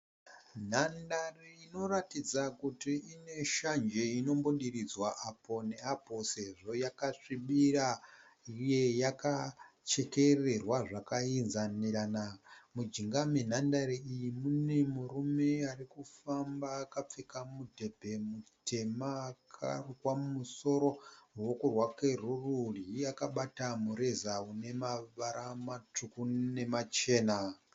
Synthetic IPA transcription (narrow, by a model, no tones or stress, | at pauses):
n̤andariino̞ratid͡zakutiine̞ʃand͡ʒeino̞mboɗiɾid͡zwaʔapo̞ne̞apo̞se̞ʐo̞jakaʂiɓiɾa | ije̞jakat͡ʃe̞ke̞re̞rwaʐakainzaniɾanamud͡ʒiŋɡamen̤andaɾiijimune̞muɾume̞arikufambaːkap͡fekamudʱe̞bʱe̞mute̞maːkʰa̰rukwaumuso̞ɾo̞wokurwake̞rururiakaɓatamuɾezaune̞maʋaɾamatukune̞mat͡ʃe̞ːna